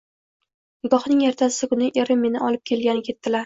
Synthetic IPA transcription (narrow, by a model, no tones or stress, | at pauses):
ɡɒχnɪŋjeɾt̪ʰasɪkʊnɪʔeɾɪmːe̞nɪʔɒlˠɪp̚kʲʰe̞lɡʲanɪkʲʰe̞t̪ːɪlaɾ